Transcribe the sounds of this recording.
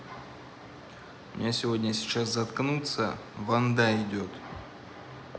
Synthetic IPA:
mʲɪ̰nʲasʲɪvodʲnʲəsʲɪ̥t͡ɕaszɐt̪knut̪sə̰vɐnd̪aɪdʲot̪

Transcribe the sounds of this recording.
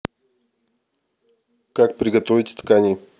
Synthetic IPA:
kak̚pɾʲɪɡɐt̪ovʲɪtʲt̪kanʲɪ

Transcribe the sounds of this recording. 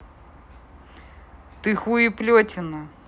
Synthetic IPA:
t̪ɨxuiplʲotʲɪnɐ

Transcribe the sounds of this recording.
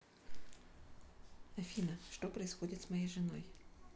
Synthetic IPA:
ɐfʲinɐʂt̪ɔpɾɐɪsxɔdʲɪt̪smɐjejʐɪnɔ̰j

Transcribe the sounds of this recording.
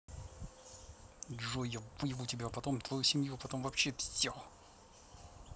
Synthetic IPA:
ʐojəbujɪvutʲɪbʲapɐt̪omt̪vɐjusʲɪmʲjupɐt̪o̞mvɐpɕefsʲo

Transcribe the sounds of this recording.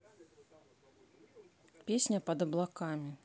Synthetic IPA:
pʲesʲnʲɐpɐd̪ɐblˠakamʲi

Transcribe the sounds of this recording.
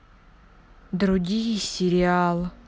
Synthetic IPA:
d̪ɾuɡʲijisʲɪɾʲialˠ

